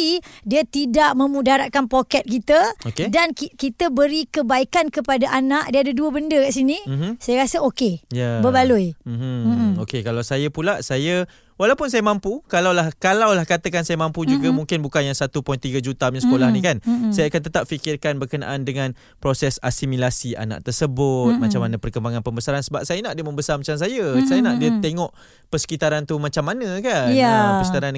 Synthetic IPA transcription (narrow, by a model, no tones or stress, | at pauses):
idiət̪idaʔmə̃mũdaɾaʔ̚kanpokɛt̪̚kit̪əokedankikit̪əbəɾikəbaikankəpadaʔanaʔdiaadəduəbəndəkaʔsinim̩m̩sajaɾasəokejabəbalujm̩h̩okekalawsajapulaʔsajə | walawpʊnsajamãmpukalawlahkalawlahkat̪əkansajəmãmpud͡ʒuɡamuŋkɪnbukanjaŋsat̪upɔjnt̪iɡəd͡ʒut̪amɲasə̥kolahnikansajəakant̪̬ət̪ap̚fikɪrkanbərkəna̰ʔandəŋan | pɾosɛsasimilasia̰na̰ʔ̚t̪ərsəbʊt̪̚mat͡ʃamːanəpərkəmbaŋãnpəmbəsaɾansəbap̚sajənaʔdiəməmbəsarmat͡ʃams̬ajəsajənaʔdiət̪eŋɔʔ | pərsə̥kit̪aɾant̪umat͡ʃamːanə̃kaaərskit̪aɾan